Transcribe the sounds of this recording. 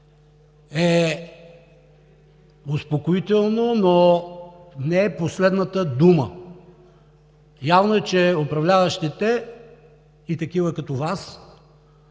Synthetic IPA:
ɛ | ʊspokoit̪ɛlˠnono | nɛːposlɛd̪nət̪əd̪umə̰ | javnoɛt͡ʃɛʊpɾɐvlʲavɐʃt̪ɛt̪ɛ | it̪ɐkivəkɐt̪ɔvas

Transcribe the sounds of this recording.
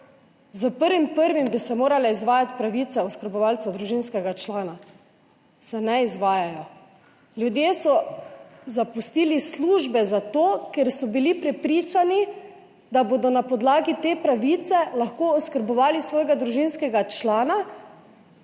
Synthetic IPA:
zəpəɾʋimpəɾʋimbisɛmoːɾalaizʋaːjat̪pɾaʋit̪ɛɔskəɾbɔʋalt̪sad̪ɾuʒiːnskɛɡat͡ʃlaːna | sɛnɛizʋaːjajɔ | ljud̪jeːsɔ | zapust̪iːlisluːʒbɛzat̪oːkɛɾsɔbilipɾɛpɾiːt͡ʃani | d̪abod̪ɔnapɔd̪laːɡit̪eːpɾaʋit̪sɛlaxkoɔskəɾbɔʋaːlisʋɔːjɡad̪ɾuʒinskɛɡat͡ʃlaːna

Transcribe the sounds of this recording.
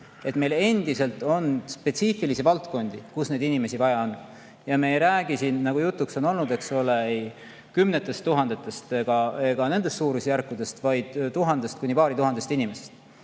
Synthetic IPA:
e̞t̪me̞jle̞nd̪̥ise̞lt̪ːˑo̞nd̪̥spe̞t̪siːfilisivɑlt̪ko̞nd̪̥ikusne̞d̪inime̞sivɑjɑon | jɑmeːjɾæːɡ̥isinːɑɡ̥ujut̪ːˑukso̞no̞lnud̪̥e̞kso̞le̞ej | kymnet̪ːˑe̞st̪ːuɦɑnd̪et̪ːˑe̞st̪eɡ̥ɑeɡ̥ɑne̞nd̪e̞st̪suːɾusjærkːˑud̪e̞st̪vɑjd̪̥t̪uɦɑnd̪̥e̞st̪kunʲipɑːɾit̪uɦɑnd̪est̪inime̞sest̪

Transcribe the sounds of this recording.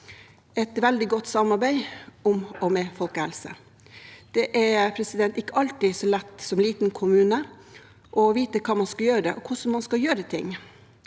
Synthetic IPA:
ɛt̪ʋæld̪ɪɡɔt̪ːsɑmɑɾbæɪʊmɔmɛfɔlkəhɛlsə̰ | d̪̥ɛʔɛɾpʰɾɛsɪd̪ɛnt̪ɪkːəɑlt̪ɪsɔlɛt̪ːsɔmliːt̪n̩kʰʊmʉːnə | ʔɔʋiːt̪əkʰɑːmɑnskɑljøːɾəd̪ɛʔɔkʰʊsn̩mɑnskɑjøːɾət̪ʰɪ̰ŋː

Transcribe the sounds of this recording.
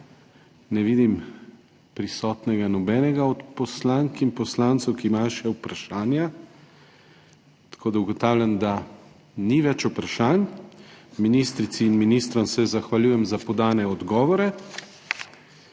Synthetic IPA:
nɛʋiːd̪im | pɾisɔːt̪nɛɡanɔbɛnɛɡaɔt̪pɔslaŋkimpɔslaːnt̪sɛwkiːmajʃɛupɾaʃaːnja | t̪ḁkoːd̪auɡɔt̪aːwlʲjand̪a | niʋɛt͡ʃupɾaʃan | minist̪ɾit̪siːnminist̪ɾɔmsɛzaxʋalʲjuːjɛmzapɔd̪aːnɛɔd̪ɡɔːʋɔɾɛ

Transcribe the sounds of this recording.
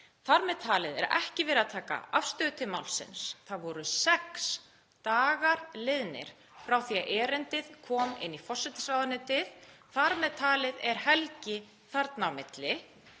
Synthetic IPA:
θaɾmɛðt̪ʰaːlɪðɛ̰ɾɛhcɪvɛːɾɪaðt̪ʰaːka̰afst̪œːðt̪ʰɪmawlsɪ̰nsθaɾvɔɾʏsɛks | t̪aːɣaɾ̥lɪðnɪ̰ɾ̥ | fɾawθiːaʔɛːɾɪnt̪ɪðkʰɔːmɪ̰nːifɔr̥sɛt̪ɪ̥saːwðanɪt̪ʰɪð | θaɾmɛðt̪ʰaːlɪðɛɾ̥hɛlcɪ | θaɾt̪nawmɪt̪lɪ

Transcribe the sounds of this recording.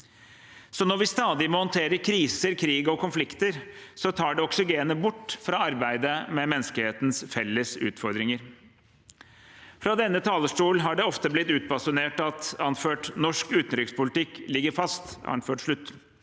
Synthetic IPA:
sɔnɔɾʋɪst̪ɑːd̪ɪmɔhɔnt̪ʰeːɾəɾkʰɾiːsəɾkʰɾiːɡɔkʰʊnflɪkt̪əɾsɔt̪ʰɑːɖɛɔksɪɡeːnəbʊʈːfɾɑɑɾbæɪd̪əmɛmɛnːəskəlheːt̪n̩sfɛlːəsʉ̰ːt̪fɔɾd̪ɾɪŋəɾ | fɾɑd̪ɛnːət̪ʰɑːləʂʈuːlnɦɑɖɛɔft̪əblɪt̪ːʉːt̪̚pɑsʊneːʈɑt̪ɑnføːʈnɔʂkʉːt̪n̩t̪ɾɪkspʊlɪt̪ɪkːlɪɡːəɾfɑst̪ɑ̰nføːʈʂɭʉt̪ː

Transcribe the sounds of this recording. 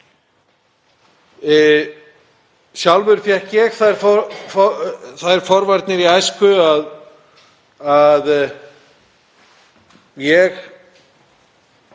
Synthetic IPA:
sjawlvʏɾfjɛhcɛɣθaðɛɾfɔ | θaðɛɾ̥fɔɾvajɾt̪nɪɾiajskʏað | að | jɛɣ

